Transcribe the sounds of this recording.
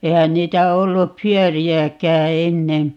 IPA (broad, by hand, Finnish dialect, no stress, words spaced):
eihæn niːtæ olːup pyøriækæː enːen̞